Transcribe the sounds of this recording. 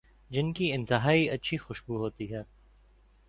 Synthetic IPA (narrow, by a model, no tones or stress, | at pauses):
d͡ʒɪnkiɪ̃nt̪ɪɦaːiɐtːʃʰixʊʃbuɦoːt̪iɦɛː